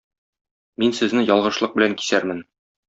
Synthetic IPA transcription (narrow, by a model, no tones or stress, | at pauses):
minsɘ̆znɘjɒlˠʁɤ̆ʃlˠɤq̚bɘ̆læŋki̥sæɾmɘn